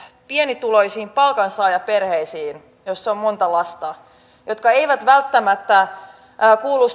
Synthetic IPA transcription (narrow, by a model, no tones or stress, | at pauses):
pienit̪uloisiːmpɑlkɑnsɑːjɑperheisiːn | josːeommont̪ɑlɑst̪ɑ | jot̪kɑeiʋæt̪ʋælt̪ːæmæt̪ːæː | kuːlːˑus